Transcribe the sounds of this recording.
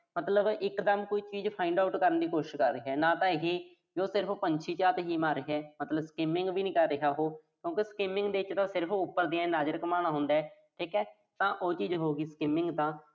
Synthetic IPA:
mət̪ləbɪkd̪əmkoːiːt͡ʃiːd͡ʒpʰaːɪɳɖaːʊʈkəɾənd̪iːkoːʃɪʃkəɾːɪːɦɛːnãːt̪ãːɪɦiː | d͡ʒoːsɪɾəpʰpəɲt͡ʃʰiːt͡ʃaːt̪ɦiːmaːɾɪɦɛːmət̪ləbskɪmɪ̃ŋɡʋiːnĩːkəɾːɪɦaːɦoːkjõːkeskɪmɪ̃ŋɡd̪eːɪt͡ʃt̪ãːsɪɾəpʰʊpːəɾd̪iːãːnaːd͡ʒəɾɪkmaːɽ̃aːɦʊ̃nd̪aːɦɛː | ʈʰiːkɛː | t̪ãːʔoːt͡ʃiːd͡ʒɦoːɡiːskɪmɪŋɡt̪ãː

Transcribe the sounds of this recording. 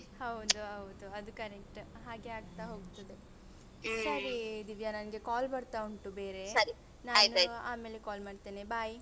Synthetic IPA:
hɐwd̪uɦɐwd̪uɐd̪ukɐɾek̚ʈɦaːɡe̞aːɡt̪aɦoːɡt̪ɐd̪e | sɐɾid̪iʋjanɐnɡe̞kaːlbɐɽt̪auɳʈube̞ːɾe̞sɐɾi | naːnuɐa̰ːme̞ːlekaːlmaːɖt̪eːnebaːj

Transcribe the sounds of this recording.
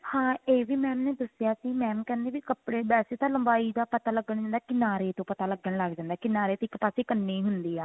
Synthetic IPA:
hãːeːʋiːmɛːmneːd̪əsjaːsiːmɛːmkɛ̃ːnd̪eːʋiːkəpɽeːbɛːseːt̪ãːləmbaːid̪aːpət̪aːləɡːəɳd͡ʒãːnd̪aːkɪnaːɾeːt̪õːpət̪aːləɡəɳləɡd͡ʒãːnd̪aɛːkɪnaːɾeːt̪õɪkpaːseːkənːiːɦʊnd̪iːaː

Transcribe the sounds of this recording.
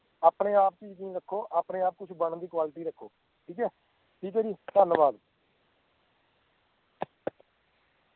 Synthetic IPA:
aːpɳeːaːp̚t͡ʃiːnĩːɾəkʰːoːʔaːpɳeːaːp̚kʊt͡ʃʰbəɳd̪iːkwaːlɪʈiːɾəkʰːoː | ʈʰiːkɛː | ʈʰiːkɛːd͡ʒiːt̪ənbaːd̪

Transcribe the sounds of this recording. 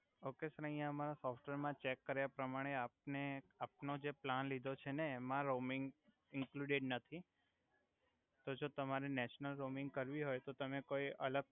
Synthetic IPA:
okesəɾəĩjãəmaɾasɔfʈʋeɾmãt͡ʃekːəɾjapɾəmaɽ̃eap̚neap̚nod͡ʒeplanlid̪ʱot͡ʃʰeneːmãɾomɪŋɡ | ɪ̃ŋkluɽɪɖnət̪ʰi | t̪od͡ʒot̪əmaɾenɛʃnəlɾomɪ̃ŋɡkəɾʋiɦojt̪ot̪əmekoiələɡ̚

